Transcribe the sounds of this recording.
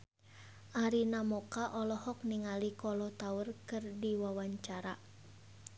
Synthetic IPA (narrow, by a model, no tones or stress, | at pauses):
ʔaɾinamɔkaʔɔlɔhɔk̚niŋalikɔlɔt̪aʊrkɨrdiwawaɲt͡ʃaɾa